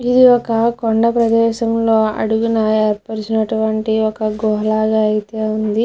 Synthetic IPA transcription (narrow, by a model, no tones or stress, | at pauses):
id̪iɔkɐkoɳɖɐpɾɐd̪ɛːʃɐmlo̞ːɐ̰ɽuɡunɐeːɾpɐɾt͡ʃinɐʈuʋɐɳʈiɔkɐɡɔɦɐlaːɡaːɐjit̪eːund̪i